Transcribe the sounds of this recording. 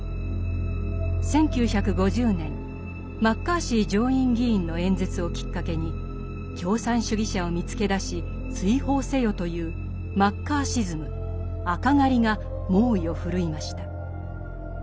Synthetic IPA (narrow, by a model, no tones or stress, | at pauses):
sẽ̞ŋkʲɨːçakɯ̟ɡo̞ʑɨːnẽ̞ŋ | makːaːɕiːd͡ʑo̞ːĩŋɡʲiĩnːo̞ẽ̞nd͡zet͡sɨo̞kʲi̥kːake̞ɲ̟i | kʲo̞ːsãɰ̃ɕɨɡʲiɕao̞mʲit͡sɨ̥ke̞d̪aɕi | t͡sɨiho̞ːse̞jo̞t̪o̞jɯ̟ː | makːaːɕizɨmɯ̟ | akaŋaɾʲiŋa | mo̞ːio̞ɸɯ̟ɾɯ̟imaɕi̥t̪a